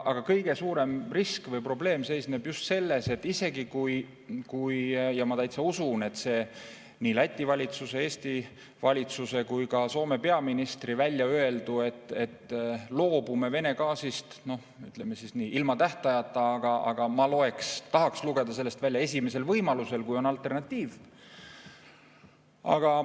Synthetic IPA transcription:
ʔɑɡ̥ɑkɤjɡe̞suːɾe̞mriskvɤjpro̞ble̞ːmse̞jsnebjust̪se̞lːe̞se̞t̪ːˑise̞ɡikuj | kujjɑmɑt̪æjt̪seusune̞t̪ːse̞ː | niːlæt̪ʲːˑivɑlʲit̪suse̞eːst̪i | vɑlʲit̪suse̞kujkɑso̞ːme̞pe̞ɑminist̪rivælʲːjɑøe̞ld̪ue̞t̪ˑːe̞t̪ːlo̞ːb̥ume̞ve̞ne̞kɑːsist̪no̞ | yt̪lemesisniːʔilmɑt̪æht̪ɑjɑt̪ːˑɑɑɡ̥ɑʔɑ̰ɡ̥ɑmɑlo̞e̞kst̪ɑɦɑksluɡ̥e̞d̪̥ɑs̬e̞lːe̞st̪vælʲjɑe̞sʲime̞se̞lvɤjmɑluse̞lkujo̞nɑlt̪ːˑe̞rnɑt̪ʲːiːv | ɑ̰ɡ̥ɑ

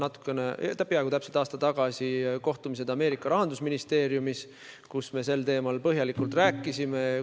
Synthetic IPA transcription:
nɑt̪ːˑu̥kːˑe̞nḛt̪æpːiɑeɡut̪æpselt̪ɑːst̪ɑt̪ɑɡ̥ɑsʲiko̞ht̪umis̬e̞d̪ɑme̞ːɾikːˑɑɾɑɦɑnd̪usminist̪e̞ːɾijumis | kusme̞se̞lt̪e̞ːmɑlpɤɦjɑlikˑult̪ræːkˑːisime

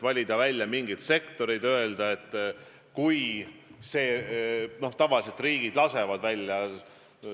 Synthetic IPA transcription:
vɑlʲid̪ɑvælʲjɑmiŋɡ̥it̪se̞kt̪o̞ɾijd̪̥ø̞e̞ld̪̥ɑe̞t̪ːˑ | kujse̞ːno̞ht̪ɑvɑlis̬e̞t̪riːɡ̥id̪̥lɑse̞vɑd̪vælʲjɑ

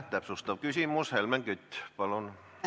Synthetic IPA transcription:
t̪æpsust̪ɑʋkysiˑmushelmæŋkyt̪ʲːpɑlon

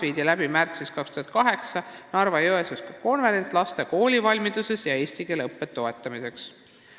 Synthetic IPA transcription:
iːd̪̥ʲilæbimært̪siskɑkst̪uhɑnd̪̚kɑɦe̞ksɑnɑrvɑjoesuskɑ̥ko̞nve̞ɾe̞nslɑst̪e̞ko̞ːlʲivɑlʲmid̪̥use̞sjɑe̞ːsʲt̪ikeleɤpːˑe̞t̪ːo̞e̞t̪ːˑɑmise̞ks

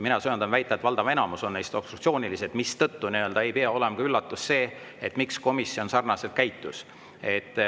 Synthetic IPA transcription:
minɑsojɑnd̪ɑnvæjt̪ːˑɑet̪vɑld̪̥ɑvɑe̞nɑmuso̞nːejst̪o̞b̥st̪ɾukt̪sio̞ːnʲilise̞d̪̥mist̪ɤt̪ːuniø̞ld̪ɑe̞jpeɑo̞lemɑkɑylːɑt̪ːˑusːe̞ː | et̪ːˑmiksko̞misːio̞nsɑrnɑse̞lt̪̚kæjt̪ːˑus | e̞t̪ːˑ

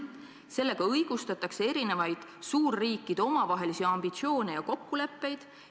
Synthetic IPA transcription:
se̞lːe̞ɡ̥ɑɤjɡ̥ust̪ɑt̪ːˑɑksee̞ɾine̞vɑjd̪̥suːrːiːkːˑid̪̥o̞mɑvɑɦe̞lisiɑmbit̪sio̞ːnejɑko̞kːule̞pːe̞jd̪̥

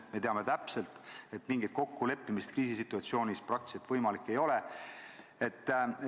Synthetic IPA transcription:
me̞t̪eɑme̞t̪æpse̞lt̪e̞t̪ːmiŋɡ̥it̪̚ko̞kːule̞pːimist̪kriːsisit̪ːˑuɑt̪sio̞ːnʲisprɑk̚t̪i̥set̪vɤjmɑlikːˑe̞jo̞le̞ | e̞t̪ː

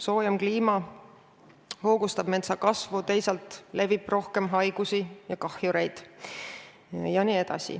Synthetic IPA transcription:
so̞ːjɑmkliːmɑ | ho̞ːɡ̥ust̪ɑb̥me̞t̪sɑkɑsvut̪e̞jsɑlt̪ˑle̞vib̥ro̞hke̞mɦɑjɡ̥usijɑkɑhjuɾejd̪̥ | jɑniːe̞d̪ɑ̰sḭ

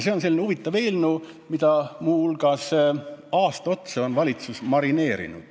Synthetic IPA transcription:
se̞o̞nse̞lːineuvit̪ːˑɑve̞ːlnu | mid̪̥ɑmuulɡɑsɑːst̪ɑo̞t̪seo̞nvɑlʲit̪susmɑɾine̞ːɾḭnṵd̪̥

